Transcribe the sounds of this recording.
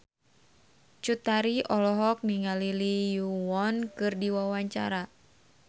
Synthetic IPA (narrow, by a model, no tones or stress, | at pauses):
t͡ʃut̪aɾiʔɔlɔɦɔk̚niŋalilijuwɔnkɨrdiwawaɲt͡ʃa̰ɾa